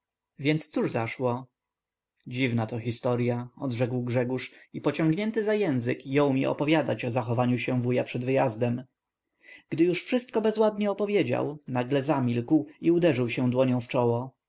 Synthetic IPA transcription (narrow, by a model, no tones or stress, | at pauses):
vʲjɛnt̪st̪suʐzaʂwɔ | d͡ʑivnat̪ɔxʲist̪ɔɾjaɔd̪ʐɛkwɡʐɛɡuʂipɔt͡ɕɔ̃ŋɡɲɛnt̪ɘzajɛ̃w̃zɘkjɔ̃w̃mʲiʔɔ̰pɔvʲjad̪at͡ɕɔzaxɔvaɲuɕɛ̃vujapʂɛd̪vɘjazd̪ɛm | ɡ̥d̪ɘjuʂfʂɘst̪̚kɔbɛzwad̪ɲɛɔpɔvʲjed͡ʑa̰wnaɡlɛzamʲilkwiud̪ɛʐɘwɕɛ̃d̪wɔɲɔ̃w̃ft͡ʂɔwɔ